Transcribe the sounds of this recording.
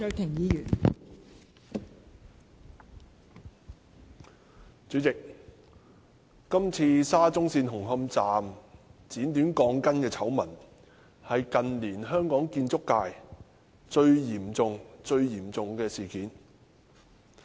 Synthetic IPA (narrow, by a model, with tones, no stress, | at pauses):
œː˧t̪ʰɪ˨˩ŋjiː˨˧jyː˨˩n | t͡syː˨˥t͡sɪ˨k̚ | kɐ˥mt͡sʰiː˧saː˥t͡sʊ˥ŋsiː˧nhʊ˨˩ŋɦɐ˧mt͡saː˨mt͡siː˨˥nt̪yː˨˥nkɔː˨˧ŋkɐ˥nkɛː˧t͡sʰɐ˨˥wmɐ˨˩n | hɐ˨jkɐ˨nliː˨˩nɦœː˥ŋkɔː˨˥ŋkiː˧nt͡sʊ˥kːaː˧j | t͡ʃɵ˧ɥjiː˨˩mt͡sʊ˨ŋt͡sɵ˧ɥjiː˨˩mt͡sʊ˨ŋkɛː˧siː˨˩kiː˨˥n